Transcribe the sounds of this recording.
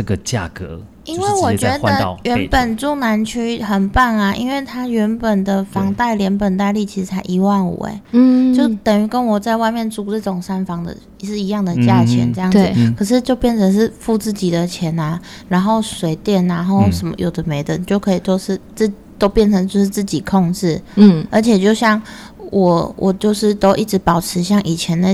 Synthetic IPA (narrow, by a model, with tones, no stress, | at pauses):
ʈ͡ʂə˥˩ɡə˨t͡ɕja̰˥˩kə̰˧˦ | i˥nwe˥˩wɔ˨˩t͡ɕɥɛ˧˥d̪ə̰˧˨ɥɛ˧˦˧npə˨˩nʈ͡ʂu˥˩na˧˥nt͡ɕʰy˥xə˨˩npa˥˩na˨˩ʔḭ˥nwe˥˩ɪt̪ʰa˥ɥɛ˧˥npə˨˩nd̪ə˨fɑ˧˥ŋt̪a˥˩ɪljɛ˧˥npə˨˩nt̪a˥˧ɪli˥˩t͡ɕʰi˧˥ʂ̩˧t͡sʰa˧˥ɪʔi˧˥wa˥˩nwɔ̰˨˩ḛ˦˥t͡ɕjo˥˩ʊt̪ə˨˩ŋy˧˥˩kə˦nwɔ˨˩t͡sa˥˧ɪwa˥˧ɪmjɛ˥˧nt͡su˥ʈ͡ʂə˥˩ʈ͡ʂʊ˨˩ŋʂa˥nfɑ˧˥ŋd̪ə̰˨ | ʂɻ̩˥˩i˧˥jɑ˥˩ŋd̪ə˨˩t͡ɕja˥˧t͡ɕʰjɛ̰˧˦nʈ͡ʂɤ˥˧jɑ˥˩z̩˨˧˩kʰə˨˩ʂ̬ɻ̩˥˧t͡ɕjo˥˧ʊpjɛ˥˩nt͡sʰə˧˥ŋʂɻ̩˥˧fu˥˧t͡sɹ̩˥˩t͡ɕi˨˩d̪ə˩t͡ɕʰjɛ˧˥na˧ | ɻa˧˥nxo˥˩ʊʂwe˨˩ɪt̪jɛ˥˩nːa˧˦nxo˥˩ʊʂə˧˥mə̰˦jo˨˩ʊd̪ə˦me˧˥ɪt̪ə˨˩nt͡ɕjo˥˩ʊkʰɤ˧˥i˨˩t̪o˥˧ʊʂɻ̩˥˧t͡s̩˥˩t̪o˥ʊpjɛ˥˩nt͡sʰə˧˥ŋt͡ɕjo˥˧ʊʂɻ̩˥˧t͡sɹ̩˥˩t͡ɕi˨˩kʰɔ˥˧ŋʈ͡ʂɻ̩˥˩˥ʔə˞˧˥t͡ɕʰjɛ˨˩t͡ɕjo˥˧ʊɕjɑ˥˩ŋ | wʔɔ˨˩wʔɔ˨˩t͡ɕjo˥˧ʊʂɻ̩˥˩t̪o˥ʊʔi˥˩ʈ͡ʂ̩˧˥pɑ˨˩ʊʈ͡ʂʰɻ̩˧˦ɕjɑ˥˩ŋʔi˨˩t͡ɕʰjɛ˧˦nd̪ə˧